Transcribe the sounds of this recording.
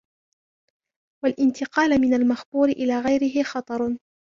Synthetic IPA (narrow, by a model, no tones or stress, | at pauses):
walʔɪnt̪ɪqɑːlmɪnalmaxbuːɾɪʔɪlaːɣajɾɪɦɪxɑt̪ˤɑɾˤ